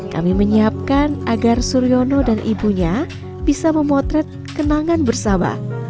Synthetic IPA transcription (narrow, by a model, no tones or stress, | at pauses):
ka̰miməɲiap̚kanʔaɡarsuɾionodanʔibuɲa | b̥isaməmɔt̪ɾɛt̪̚kənaŋanbərsaba̰